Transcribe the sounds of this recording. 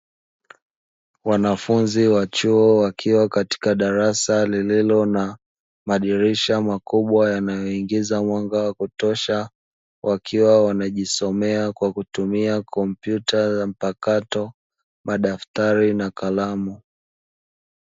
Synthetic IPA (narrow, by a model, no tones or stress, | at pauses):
wanafunziwat͡ʃuɔwakʰiwakati̥kaɗaɾasalililɔna | maɗiɾiʃamakuɓwajanajɔiŋɡizamwaŋɡawakutɔʃa | wʔakʰiwawanaʄisɔmɛakwakutumiakʰɔm̩pjutazam̩pakatɔ | maɗaftaɾinakalamu